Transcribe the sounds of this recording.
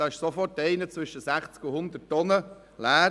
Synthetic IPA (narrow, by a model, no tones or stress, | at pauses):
ɑːɪʃsɔfɔrtːɛɪnət͡sʋʏʃəsæχt͡skʊhʊnd̪ətːɔnə | læː